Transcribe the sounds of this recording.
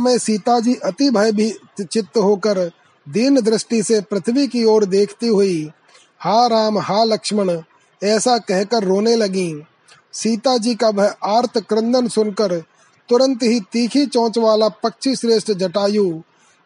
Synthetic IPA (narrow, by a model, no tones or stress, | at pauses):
mẽsiːt̪ad͡ʒiːʔɐt̪ibʱəjbʱi | t͡ʃɪt̪ɦoːkəɾ | d̪iːnd̪ɾɪsʈisepɾɐt̪ʰəʋikioːɾd̪eːkʰt̪iɦʊi | haːɾaːmɦaːlɐkʃməɽ̃ | ɛːsakɛɦkəɾːoːnelɐɡĩː | siːt̪ad͡ʒiːkabʱəjaːɾt̪ʰkɾə̃nd̪ənsʊnkəɾ | t̪ʊɾə̃nt̪ɦit̪iːkʰit͡ʃɔ̃ːt͡ʃʋaːlapɐkt͡ʃʰiʃɾeːsʈd͡ʒɐʈaːjuː